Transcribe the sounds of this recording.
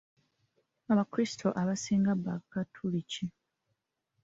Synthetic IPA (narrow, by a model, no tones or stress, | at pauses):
aβakɾisi̥tʰo̞ʔaβasiːŋɡabːakatʰːulici